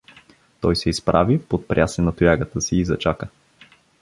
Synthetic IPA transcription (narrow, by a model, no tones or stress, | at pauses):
t̪ɔjsɛispɾʔavipot̪̚pɾʲjasɛnɐt̪ʊjaɡət̪əsiːzɐt͡ʃakə